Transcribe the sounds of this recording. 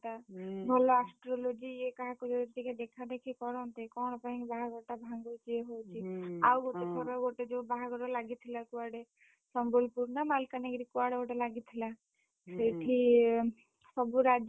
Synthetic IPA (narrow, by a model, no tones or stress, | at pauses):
t̪abʱɔlɔasʈɾolod͡ʒiekaɦakɔd͡ʒot̪iked̪ekʰad̪ekʰikɔɾɔnt̪ekɔñɔpaĩbaɦaɡɔʈabʱãŋɡot͡ʃʰieɦowt͡ʃʰiawɡoʈesʰɔɾɔɡoʈed͡ʒobaɦaɡɔʈɔlaɡit̪ʰilakuaɽe | sɔmbolpuɾnamalkaneɡɾikuaɽeɡoʈelaɡit̪ʰila | sejʈʰi | sɔbuɾad͡ʒ